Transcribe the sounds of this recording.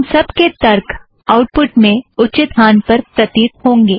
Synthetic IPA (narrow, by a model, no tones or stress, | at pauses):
msɐbket̪ɐɾkʰ | aʊʈ̚pʊʈmẽʊt͡ʃɪt̪ɦaːnpɐɾpɾɐt̪iːt̪̚ɦõːŋɡeː